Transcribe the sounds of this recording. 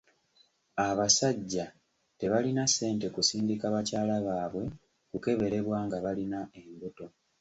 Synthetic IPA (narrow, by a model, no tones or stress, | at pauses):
aβasaɟːa | te̞βalinase̞ːnte̞kusiːndikaβacaːlaβaːβwe̞ | kuke̞βe̞ɾe̞βwaːŋɡaβalinae̞mbuto̞